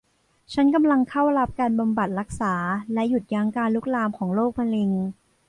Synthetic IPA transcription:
t͡ɕʰa˦˥nka˧mla˧ŋkʰa˥˩wɾa˦˥p̚kaː˧nba˧mba˨˩t̪̚ɾa˦˥k̚saː˩˦lɛ˦˥ju˨˩t̪̚ja˦˥ŋkaː˧nlu˦˥k̚laː˧mkʰɔː˩˦ŋloː˥˩k̚ma˧li˧ŋ

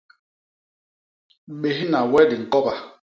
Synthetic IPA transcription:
ɓe˨ɦi˦na˨wɛ˦di˨ŋ̩˨kɔ˦ka˨

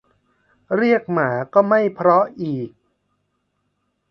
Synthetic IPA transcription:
ɾi˥˩ək̚maː˩˦kɔː˥˩ma˥˩jpʰɾɔ˦˥ʔiː˨˩k̚

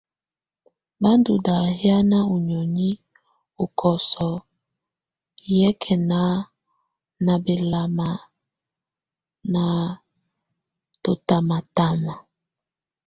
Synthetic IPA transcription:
ba˦ndu˨da˨hja˦na˦o˨ɲɔ˨ni˦ | o˨kʰɔ˨sɔ˨ | jɛ˦kʰɛ˨na˦ | na˨be˨la˨ma˨ | na˨ | to˨ta˨ma˨ta˦ma˨

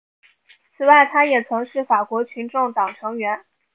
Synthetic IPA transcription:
t͡sʰɹ̩˨˩wa˥˩ɪt̪ʰa˥jɛ˨˩t͡sʰʊ˧˥ŋʂɻ̩˥˩fa˨˩kwɔ˧˥t͡ɕʰy˧˥nʈ͡ʂʊ˥˩ŋt̪ɑ˨˩ŋʈ͡ʂʰɤ˧˥ŋɥɛ˧˥n

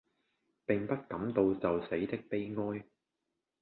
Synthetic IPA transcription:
pɪ˨ŋpɐ˥t̚kɐ˨˥mt̪o˨˧wt͡sɐ˨wse˨˥jt̪ɪ˥k̚pe˥jŋɔː˥j

